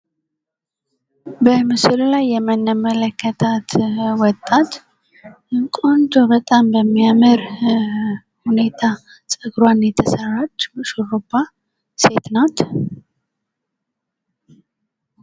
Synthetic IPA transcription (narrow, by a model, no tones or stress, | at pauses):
bəmɨsɨllajːɛmənəmələkːət̪ʰat̪wɔt̪ʼːat̪ | ɨkʼont̪ʰʼobət̪ʼambəmːijaməɾ | hune̞t̪ʰa | sʼɨɡɾwanjɛt̪ʰəsərat͡ʃːʃoɾopːa | se̞t̪nat̪